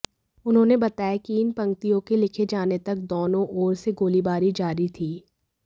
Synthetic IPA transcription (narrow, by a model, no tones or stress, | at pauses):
ʊnɦõːnebɐt̪aːjekiɪnpɐ̃ŋk̚t̪ijõkelɪkʰed͡ʒaːnet̪ɐk̚d̪oːnõʔɔːɾseɡoːlibaːɾid͡ʒaːɾit̪ʰiː